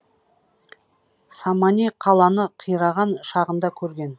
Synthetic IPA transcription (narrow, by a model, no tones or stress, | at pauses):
sɑmɑniqʰɑlˠɑnəqʰijɾɑʁɑnʃɑʁənd̪ɑkʲʰɵɾɡʲe̞n